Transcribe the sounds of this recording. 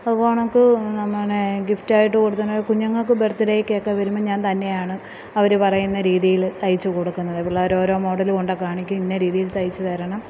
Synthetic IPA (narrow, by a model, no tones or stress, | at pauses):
ɐðupoːɳokːɨnɐmːɐɳeɡiftaːjiʈ̬ːɨkoɽut̪ːɐnoːjkuɲːɐŋːɐɭkɨbert̪ːiɾejkːe̞ːkːeʋɐɾumːɐɲaːnt̪ɐnːe̞jaːɳɨ | ɐʋɐɾepɐrɐjunːɐɾiːðijilt̪ɐjit͡ɕːɨkoɽukːunːɐðɐpːoɭoːɾo̞ːɾo̞ːmo̞ːɽɐlɨkoɳɖɐkaːɳikʲːuminːeɾiːðijilt̪ɐjit͡ɕːut̪ɐɾɐɳɐm